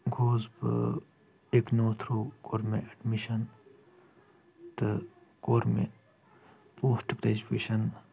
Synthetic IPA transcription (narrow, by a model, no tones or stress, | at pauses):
ɡʱoːzb̰ | eknoːt̪ʰɾoːkoɾmẽɐɖmiʃɐn | t̪ɨ | koːɾmḛ̃ | poːsʈɡɾeːd͡ʒupeːʃɐn